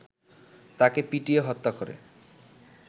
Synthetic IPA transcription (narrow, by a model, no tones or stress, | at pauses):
t̪akepiʈieɦɔt̪ːakoɾḛ